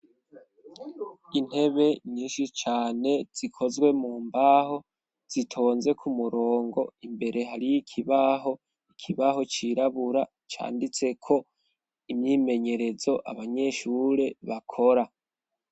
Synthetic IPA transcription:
in̥he̞βe̞ɲiːnʃit͡ʃaːne̞z̥ikʰo̞zɡwe̞muːmbaho̞ | z̥itʰo̞ːnze̞kʰumuɾo̞ːŋɡo̞̰imbe̞ɾʔe̞ɦaɾijikʰiβaɦo̞ | ikʰiβaho̞t͡ʃiɾaβuɾa | t͡ʃa̰ːndit͡se̞kʰo̞ | imɲiːme̞ɲe̞ɾe̞zo̞ʔa̰βaɲe̞ʃuɾe̞βakʰo̞ɾa

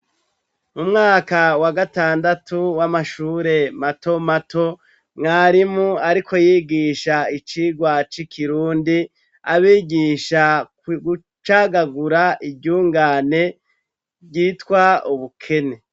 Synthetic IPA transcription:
mumŋaːkawaɡataːndatʰuwamaʃuːɾe̞mato̞mato̞ | ŋaːɾimuaɾikʰo̞jiːɡiːʃait͡ʃiːɡwat͡ʃikʰiɾuːndi | aβiːɡiːʃa | ɡu | t͡ʃaɡaɡuɾaʔibɟuːŋɡaːne̞ | bɟiːtkwauβukʰe̞ne̞

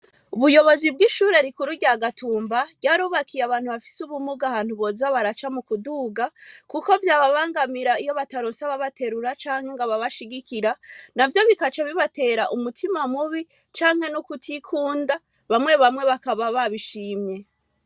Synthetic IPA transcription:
uβujo̞βo̞zibɡiʃuːɾe̞ɾikuɾuɟaɡatʰuːmbaɟaːɾuːβakʰijaβaːnhuβafi̥suβumuɡahaːn̥huβo̞zaβaɾat͡ʃamukuduɡakuko̞vjaːβaβaːŋɡamiɾaijo̞βataɾosaβaβate̞ɾuɾat͡ʃaːŋhe̞ŋɡaβaβaʃiɡikiɾanavjo̞βikat͡ʃaβiβate̞ɾaʔumutʰimamuβi | t͡ʃaːŋhe̞nukutʰikʰuːnda | βamŋe̞βamŋe̞βakaβaβaβiʃiːmɲe̞

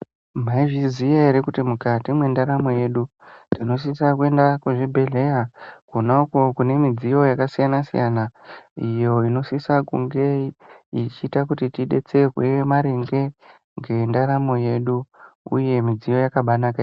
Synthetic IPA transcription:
maiʐizijaeɾekutimukatimwe̞ndaɾamo̞je̞ɗu | tino̞s̬isak̬ue̞ndakuʐibʱe̞ɮe̞jakonauko̞kune̞mid͡zijo̞jakasijanasḭjanaijo̞ino̞sisakṵŋɡe̞it͡ʃiːtakutitiɗe̞̰t͡se̞rwemaɾeŋɡe̞ | ŋɡe̞ndaɾamo̞je̞ɗuṵje̞mid͡zijo̞jakaɓanakai

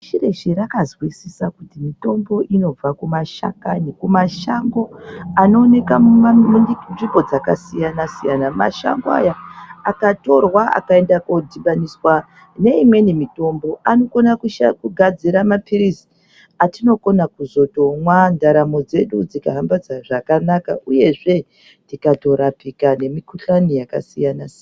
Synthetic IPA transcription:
ʃire̞ʃiɾakazwisisakutimito̞mbo̞ʔino̞b͡vakumaʃa̰kanikumaʃaŋɡo̞ano̞ːne̞ka | nʐibo̞d͡zakasijanasijanama̰ʃa̰ŋɡoa̰jaakato̞rwaʔa̰kae̞ndakodʱiɓaniswa | ne̞imwe̞nemito̞mbo̞ʔano̞ko̞nakuʃakuɡʱad͡ziɾamapiɾizi̥ | atino̞ko̞nakuzo̞to̞mwandaɾamo̞d͡ze̞ɗud͡zika̰ɦambad͡zaʐakanaka̰ʔuje̞ʐe̞ | tikato̞ɾapikane̞mikuɬanijakasijanasian

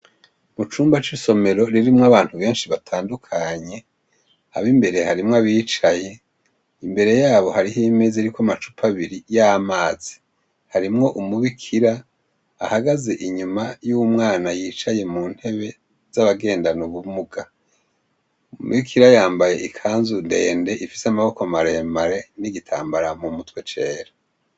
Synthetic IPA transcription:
mut͡ʃuːmbat͡ʃiso̞me̞ɾo̞ɾiɾimŋaβaːn̥huβe̞ːnʃiβatʰaːndukʰaɲe̞ | a̰βimbe̞ɾe̞haɾimŋaβiːt͡ʃaje̞ | imbe̞ɾe̞jaːβo̞haɾiɦimezeɾikwamat͡ʃupʰaβiɾijamaːz̥i̥ | haɾimŋo̞ʔumuβikʰiɾaː | haɡaze̞ʔiɲumajumŋaːnajiːt͡ʃaje̞muːn̥he̞βe̞ | z̥aβaɡe̞ːndanuβumuɡa | mṵβikʰiɾajaːmbaje̞ʔikʰaːnzunde̞ːnde̞ʔifi̥samaβo̞komaɾe̞ːmbaɾe̞niɡitʰa̰ːmbaɾamumutwe̞t͡ʃe̞ːɾa

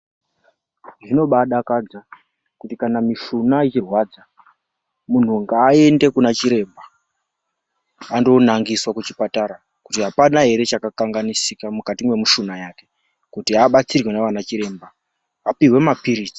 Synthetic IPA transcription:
ʐino̞ɓaɗakad͡za | kutikanamiʃunait͡ʃirwaːd͡za | mun̤uŋɡaːe̞nde̞kunat͡ʃiɾe̞mba | andonaŋɡiswakut͡ʃipataɾa | kutiɦapanaɦe̞ɾe̞t͡ʃakakaŋɡanisikamukatimwe̞miʃunajaːke̞ | kutiaɓat͡sirwe̞naʋanat͡ʃiɾe̞ːmbaː | piwe̞mapiɾiːt͡si̥

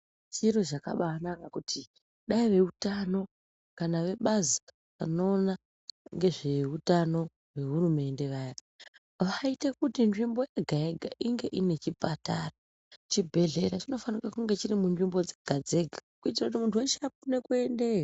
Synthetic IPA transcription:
t͡ʃiɾo̞ʐaka̰ɓaanakakutʰi | ɗaiʋe̞utano̞ | kanaʋe̞ɓazi | ʋano̞ːna | ŋɡe̞ʐe̞utano̞ | we̞ɦurume̞nde̞ʋaːja | ʋaite̞kutinʐimbo̞jeɡʱaeɡʱaʔiŋɡe̞ʔine̞t͡ʃipatara | t͡ʃibʱe̞ɮe̞ɾat͡ʃino̞fanikakuŋɡe̞t͡ʃiɾimunʐimbo̞d͡zeɡ̥ʱad͡ze̞ɡʱakuit̬irakut̬imuntʰuweʃap̚une̞kue̞nde̞a

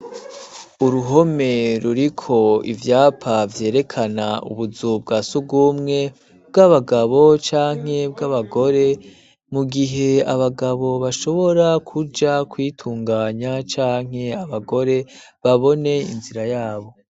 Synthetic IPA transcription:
uɾuɦo̞me̞ɾuɾikʰo̞ḭvjaːpʰavje̞ːɾe̞kʰanaṵβuzubɡasub̚ɡuːmŋe̞ | b̚ɡaβaɡaβo̞t͡ʃaːŋ̥he̞bɡaβaɡo̞ɾe̞ | muɡiɦe̞aβaɡaβo̞βaʃo̞βo̞ɾakʰud͡ʒakwiːtʰuːŋɡaːɲat͡ʃaːŋ̥he̞aβaɡo̞ɾe̞βaβo̞ne̞ḭnziɾajaːβo̞

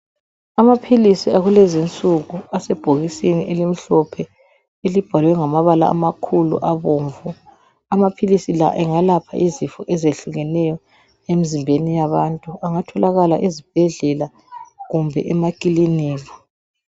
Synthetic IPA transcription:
amapʰilisiaɣulɛzint͡sʼuɣuasɛb̥ʱoɣisiniʔelim̩ɬɔpʰɛ | elib̥ʱalwɛŋamaβala̰ːmakʰulṵʔaβoːɱvu | amapʰilisila̰ʔɛŋalapʰa̰ʔizifɔʔɛzeɬuɣɛnɛjɔ | emizimbʱenijaβantʼuaŋatʰɔlaɣala̰ʔizib̥ʱɛɮɛla | ɣumbʱɛ̰ʔɛmakʼiliniːɣɔ

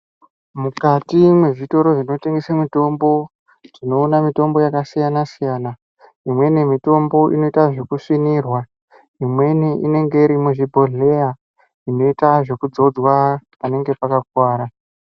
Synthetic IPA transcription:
mukatimwe̞ʐito̞ɾo̞ʐino̞te̞ŋɡesamito̞mbo̞ | tino̞ːnamito̞mbo̞jakasijanasijaːna | imwe̞nemito̞mbo̞ʔḭno̞itaʐe̞kuʂinirwa | imwe̞niʔine̞ŋɡe̞iɾimuʐibʱo̞ɮe̞ja | ino̞itaʐe̞kud͡zo̞d͡zwapane̞ŋɡe̞pakak̚waːɾa

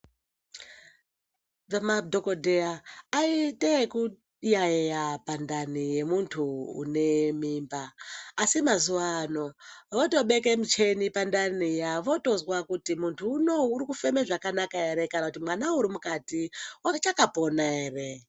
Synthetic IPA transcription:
ʋamadʱokodʱeaːiteku | jaejapandanije̞muntʰuṵne̞miːmbaːsimazuʋano̞ʋoto̞ɓe̞ke̞mut͡ʃe̞nipandanijaʋo̞to̞zwakutimuntʰuːno̞uɾikufe̞meʐakanakae̞ɾe̞kanakutimwanauɾimukatiot͡ʃakapo̞nae̞re̞

